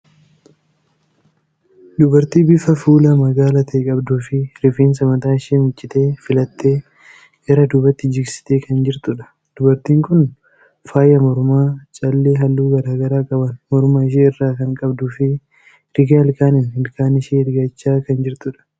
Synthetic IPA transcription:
d̪ʊbɐɾt̪iːbɪfɐfuːlɐmɐɡaːlɐt̪ʰɐkʼɐbd̪uːfɪɾɪfeːnsɐmɐt̪aːɪʃeːmɪt͡ʃʼːɪt̪e̞ːfɪlɐt̪ʰːe̞ː | ɡɐɾɐd̪ʊbɐt̪ːɪd͡ʒɪɡsɪ̥t̪eːkɐnd͡ʒɪɾt̪ʊᶑɐ̥ | d̪̥ʊbɐɾt̪iːŋkʊn | faːjɐmɔɾmaːt͡ʃʼɐlːeːɦɐlːuːɡɐɾaːɡɐɾaːkʼɐbɐnmɔɾmaːɪʃ̬eːɪrːaːkɐŋkʼɐbd̪ʊfɪ | ɾɪɡaɪlkaːnɪnhɪlkaːnɪʃeːɾɪɡɐt͡ʃːaːkɐnd͡ʒɪɾt̪ʊᶑɐ̥

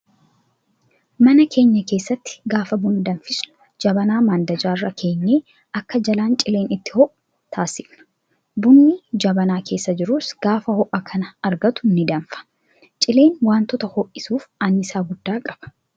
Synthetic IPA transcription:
mɐnɐkʰe̞ːɲːɐke̞ːsːɐt̪ːɪ̥ɡaːfɐbʊnːɪd̪ɐnfɪsnʊ̥ | d͡ʒɐbɐnaːmaːnd̪ɐd͡ʒaːrːɐkʰe̞ːɲːeː | ɐkːɐd͡ʒɐlaːnt͡ʃʼɪleːnɪt̪ːɪ̥hɔʔʊ | t̪ʰaːsɪfnɐ̥ | bʊnːɪd͡ʒɐbɐnaːkʰe̞ːsːɐd͡ʒɪɾʊsɡ̥aːfɐhɔʔɐkʰɐnɐɐɾɡɐt̪ʊ̥nːɪd̪ɐnfɐ̥ | t͡ʃʼɪle̞ːnwaːnt̪ɔt̪ɐhɔːʔɪsuːfanɪsaːɡʊd̪ːaːkʼɐb̥ɐ̥

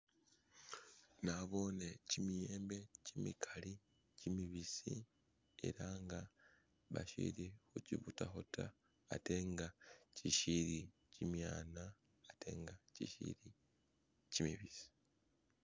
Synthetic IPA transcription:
naβo̞ːnecimijeːmbe̞cimikʰali | cimiβisi | e̞̰ɾaŋɡa | βa̰ʃḭɾixuciβutaxotʰa̰ː | te̞ŋɡaciʃiɾi | cimjaːnaː | te̞̰ːŋɡacḭʃḭɾi | cimiβisi̥

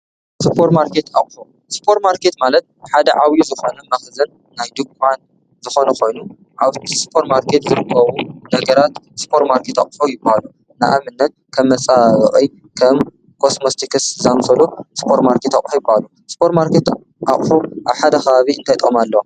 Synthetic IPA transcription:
sɨpʰoɾt̪maɾkʰe̞t̪aχʼħu | spʰoɾt̪maɾke̞t̪malɐt̪̚ħad̪ɐʕawjuzɨxonɐmɐxzɐnːajd̪ɨkʷʼan | zɨxo̞nɐkʰo̞jnu | ʕaβt̪ʰispʰoɾtmaɾkʰet̪zɨɾɨkʰːɐβunɐɡɐɾat̪sɨ̥pʰoɾt̪maɾkʰet̪a̰χʼħojɪbahalu | nɨʔa̰mɨnːɐt̪̚ | kʰɐmːɐt͡sʼaβɐχʼi | kʰɐm | kʰo̞smost̪ʰikʰɨszamsɐluspʰoɾt̪maɾkʰe̞t̪aχʼħujɪbːahalu | spʰoɾt̪maɾkʰet̪ | ʔa̰χʼħuʔaβħad̪ɐxɐβaβiɨnt̪ʰajt̪ʼomalːɐwa

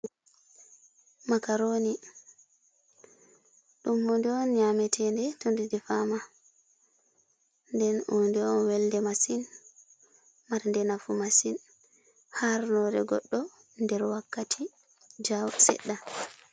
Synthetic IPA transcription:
makaɾoni | ɗumːundɛɔnɲamɛtʰɛndɛtundidɛfama | ndɛnundɛɔnwɛldɛmasin | maɾndɛnafumasin | haɾnɔɾɛ̰ɡɔ̰ɗːɔ | ndɛɾwakːatʰi | d͡ʒawsɛ̰ɗːa

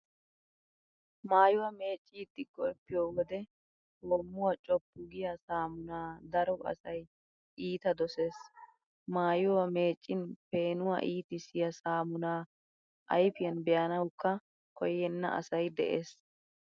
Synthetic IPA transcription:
maːjʊwɐme̞ːt͡ʃʼːit̪ːɪɡɔɾpːɪjoːwɔd̪ɛ | hoːmːʊwɐt͡ʃʼɔpːʊɡɪjɐsaːmʊnaːd̪ɐɾɔɐ̰sɐj | ʔiːt̪ɐd̪ɔse̞ːs | maːjʊwɐme̞ːt͡ʃʼːɪnpe̞ːnʊwa̰ʔiːt̪ɪsɪjɐsaːmʊnaː | ʔɐ̰jfɪjɐnbɛjɐnɐwkːɐ | kɔjːɛnːɐ̰ʔɐ̰sɐjd̪ɛ̰ʔeːs

